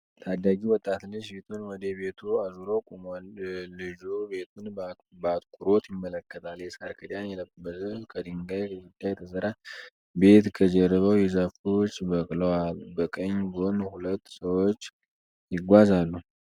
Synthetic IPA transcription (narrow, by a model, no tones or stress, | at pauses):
t̪ʰad̪aɡiwɔt̪ʼːat̪lɨd͡ʒbet̪ʰunwɔd̪eβe̞t̪ʰuazuɾokʼumolɨd͡ʒube̞t̪ʰun | bat̪kʼuɾo̞t̪jɪmːələkːət̪ʰaljɛsaɾkʰəd̪janjɛləbbəzəkʰəd̪ɨŋɡajkəɡud̪ːajɛt̪ʰəsəɾa | be̞t̪kʰəd͡ʒɛrɾːəβəwjɛzafot͡ʃːbəkʼlowabəkʼəɲːbonuhulət̪ːsəwot͡ʃː | jɪɡʷazalːu